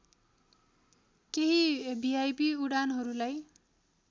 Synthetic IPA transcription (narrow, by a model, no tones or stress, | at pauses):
keɦibiajbiuɽanɦʌɾulaj